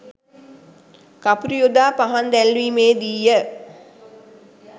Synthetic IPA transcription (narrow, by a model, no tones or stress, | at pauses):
kapuɾijod̪aːpaɦand̪ælʋiːmeːd̪ijə